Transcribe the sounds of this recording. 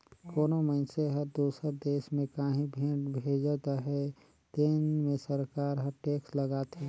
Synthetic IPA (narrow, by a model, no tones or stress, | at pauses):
koːnoməɪnseɦəɾd̪uːsəɾd̪eːʃmẽkaːɦĩbʱebʱeːd͡ʒt̪ɦɛ | t̪eːnmẽsəɾkaːɾɦəʈeːksləɡaːt̪ɦɛː